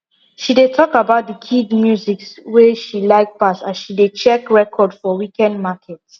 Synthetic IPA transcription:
ʃidetʰɔkabaʊt̚dəkʰidmjuziksweʃilaɪk̚pasasʃidet͡ʃɛkɹɛkʰɔdfɔwikɛ̃ndmakʰɛt

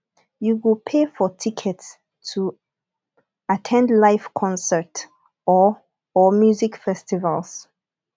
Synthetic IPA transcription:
juwɪlpʰefɔtʰikʰɛts | tʰːu | atʰɛ̃ndlaɪfkʰɔ̃nsət | ɔ | ɔmjuzikfɛstivalˠs

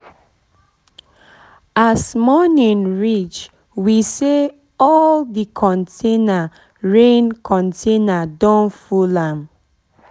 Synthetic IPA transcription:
asmɔnĩnɹit͡ʃ | wise | ɔldikʰɔ̃ntʰena | ɹẽnkʰɔ̃ntʰenadɔ̃nfulãm

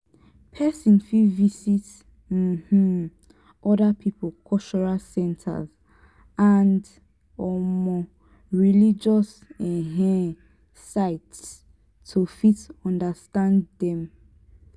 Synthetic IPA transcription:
pʰɛsĩnfivisit | m̩h̩ | ʔɔdapʰipʰulkʰɔt͡ʃɔɹasɛ̃ntʰa̰z | and | ɔmɔ | ɹilid͡ʒɔs | ɛ̃ɦɛ̃ | saɪt | tʰːufitɔ̃ndastãndɛ̃m

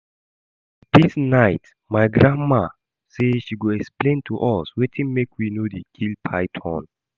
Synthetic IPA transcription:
d̥isnajt | majɡɹãma | seʃiɡoɛksplẽntʰuʔɔswetʰĩnmekʰwinodekʰilpʰajtʰɔ̰̃n

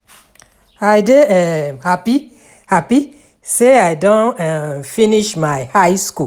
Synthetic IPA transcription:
adeɛmhapi | hapi | seaɪdõnɛfiniʃmaɪhajsku

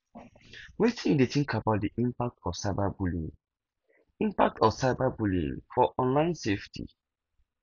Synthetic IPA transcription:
wetĩdetĩŋkʰabaʊt̚diʔĩmpak̚tʰɔfsaɪbabulḭ̃ŋ | ĩmpak̚tʰɔsaɪbabulḭ̃ŋfɔʔɔ̃nlãɪ̃nseftʰḭ

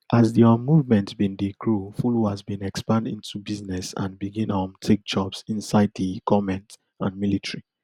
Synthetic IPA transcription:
ʔazdiɔmuvmɛ̃ntbĩndiɡɹufuluhazbĩnɛkspãndḭ̃ntʰubiznɛsã̰nbiɡĩnɔmtʰek̚d͡ʒɔbsĩnsaɪd̚dikʰɔmɛ̃nt | ãnmilitɹi

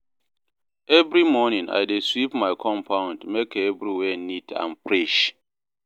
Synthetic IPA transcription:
evɾimɔnĩŋa̰jdeswipmaɪkʰɔ̃mpʰãʊ̃ndmekevɾiwɛnitʰã̰npɾeʃ

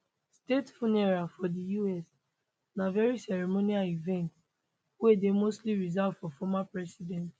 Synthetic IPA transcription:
stetfunɛɹafɔdijuɛs | navɛɹisɛɹimoniaivɛ̃nt | wedemostliɹizavfɔfɔmapɹɛsidɛ̃nt

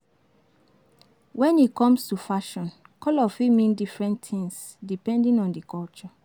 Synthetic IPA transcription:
wɛ̃nikɔ̃mstufaʃɔ̃nkɔlɔfimĩndifɹɛ̃nttĩŋs | dipɛ̃ndĩŋɔ̃ndikɔlt͡ʃɔ

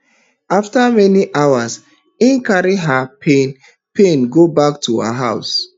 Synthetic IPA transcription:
aftamɛniʔawas | ĩnkaɾiɦapʰẽn | pẽnɡobaktʰua̰ɦaʊs

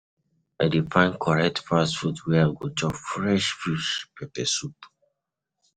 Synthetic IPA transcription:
adifãɪ̃nkʰɔɹɛk̚tfasfutwɛaɡot͡ʃɔfɹɛʃfuspɛpɛsut

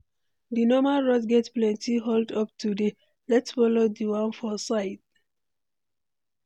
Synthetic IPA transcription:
dinɔmaɹɔdɡɛtplɛ̃ntiɦoldʌp̚tʰude | lɛtsfɔlodiwãnfɔsaɪt̚

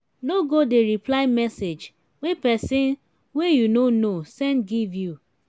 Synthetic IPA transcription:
noɡodeɾiplaɪmɛsed͡ʒ | wepɛsĩn | wejunonosɛ̃nɡivju

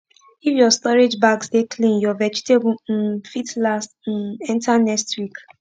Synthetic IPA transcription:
ifjɔstɔɹed͡ʒbaɡsdekʰlĩnjɔvɛd͡ʒitebn̩fitlastn̩ɛ̃ntʰanɛkstwik

